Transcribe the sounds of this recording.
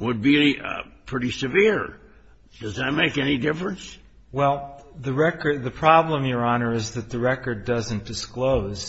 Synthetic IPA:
wəd̚bipʰɹ̥ɪɾisɨvɪɹ | d̥ʌzɨt̚meɪkɛnidɪfɹə̃ns | wɛlˠðɨɹɛkə˞dðɨpʰɹ̥ɑblə̃mjə˞ɑnə˞ɨzðɨt̪̚ðɨɹɛkə˞dʌzɨ̃nd̥ɨskloʊz̥

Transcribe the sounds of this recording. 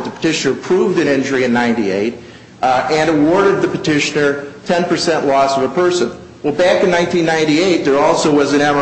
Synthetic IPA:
t̪̚ðəpʰə̥tʰɪʃɨnə˞pʰɹ̥uvdɨ̃nɪ̃nd͡ʒə˞iɨ̃nːãɪ̃ntiḛɪɾ | ɨ̃nəwɔɹɾɨd̪̚ðɨpɨtʰɪʃɨnə˞tʰɛ̃npə˞sɛ̃nʔlɔsʌvəpʰɜ˞sɨ̃n | wɛlˠbækɨ̃nːãɪ̃ntĩnːãɪ̃ntieɪt̪̚ðə˞ɔlˠsoʊwʌzɨ̃ñɛmə

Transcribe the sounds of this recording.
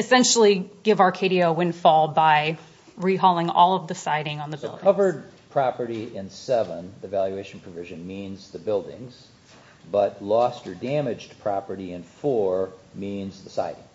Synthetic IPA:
ɨsɛ̃nʃl̩ˠiɡ̥ɪvɑɹkʰeɪɾioʊwɪ̃nfɔlˠbaɪ | ɹiɦɔlˠɪ̃ŋɔ̰lˠʌvðɨsaɪɾɪ̃ŋə̃nðəbɪ̰lˠdkɪ̰̃ʌvə˞d̚pʰɹ̥ɑpə˞ɾiɪ̃nsɛvə̃nðivælˠjʉeɪʃn̩pʰɹ̥ɨvɪʒɨ̃nmĩnzðɨbɪlˠdɪ̰̃ŋz̥ | bʌtlɔstə˞dæ̃mɨd͡ʒpʰɹ̥ɑpə˞ɾiɨ̃nfɔɹmĩnzðɨsa̰ɪɾɪ̃ŋ

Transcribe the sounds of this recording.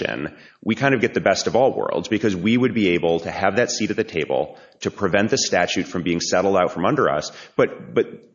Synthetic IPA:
ɨ̰̃n | wʔikʰãɪ̃ndʌvɡɛt̪̚ðɨbɛstʌvɔlˠwɜ̰˞lˠdzbɨkʰʌzwiwɨd̚bieɪbl̩ˠtʰɨɨvðɨtsiɾɨt̪̚ðɨtʰeɪbl̩ˠ | tʰɨpʰɹ̥ɨvɛ̃nðɨstæt͡ʃʉtfɹʌ̃mbiɪ̃ŋsɛɾl̩ˠdaʊtfɹʌ̃mʌ̃ndə˞ʌ̰sb̥ʌt̚b̥ʌt̪̚

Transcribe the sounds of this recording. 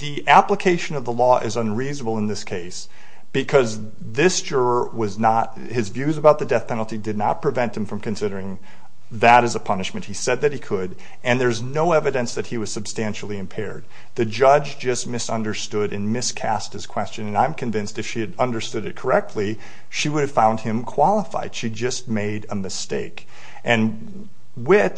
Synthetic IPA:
ðiʔæpləkʰeɪʃɨ̃nʌvðəlɔʔɪzə̃nɹiznəbl̩ˠə̃nðɪskʰeɪs | b̥ɨkʰʌz | ðɪsd̥ʒ̥ʊɹə˞wʌznət̚ | hɨzvjʉzəbaʊt̪̚ðɨdɛθpʰɛ̃nl̩ˠtidɨdⁿnə̰t̚pʰɹ̥ɨvɛ̃nt̪hɨ̃ɱfɹʌ̃mkɨ̃n̩sɪɾə˞ɪ̃ŋ | ðɨɾɨzəpʰʌnɨʃmɨ̃nʔ̚hisɛd̪̚ðɨt̚hikʰəɾ | ɨ̃nðə˞znoʊɛvɨɾɨ̃nsðɨt̚hiwʌz̥sɨb̥stæ̃nʃl̩ˠiɨ̃mpʰɛ̰ɹd̪̚ | ðɨd͡ʒʌd͡ʒd͡ʒʌst̚mɪsʌ̃ndə˞stʊɾɨ̃nmɪskʰæst̚hɨz̥kʰw̥ɛst͡ʃɨ̃nɨ̃nãɪ̃mkʰɨ̃ɱvɪ̃nstɨfʃiɨɾʌ̃ndə˞stʊɾɨt̚kʰə˞ɛk̚tʰˡli | ʃiwʊɾɨv̥fãʊ̃nd̚ɪ̃mkʰw̥ɑlˠəfa̰ɪd̥ʃid͡ʒʌs̚meɪɾəmɨsteɪk | ʔɨ̃n | wɪθ

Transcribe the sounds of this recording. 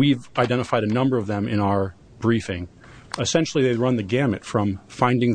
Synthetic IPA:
wivaɪdɛ̃ɾ̃əfaɪɾɨnʌ̃mbə˞ʌvðɨ̃mɨ̃naʊə˞ | b̥ɹifɪ̃ŋ | ɨsɛ̃nʃl̩ˠiðeɪɹʌ̃nðɨɡæmɨtfɹʌ̃ɱfãɪ̃ndɪ̃ŋ

